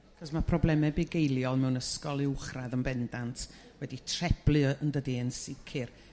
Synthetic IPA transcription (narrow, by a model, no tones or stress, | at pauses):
aχɔsmapʰrɔblˠɛmɛbɪɡejlˠjɔlˠmɛwnəskɔlˠɪʊχraðənbɛndantʰ | wɛditʰrɛb̥lˠɨəndədiənsɪkʰɨr